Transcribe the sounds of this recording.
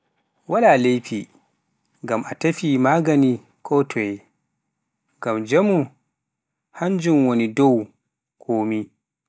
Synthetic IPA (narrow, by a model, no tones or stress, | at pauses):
walalejpi | ŋɡamʔatafimaːɡani | kʰɔtʰɔɛ | ɡamd͡ʒamu | haɲd͡ʒumwonidow | kʰoːmi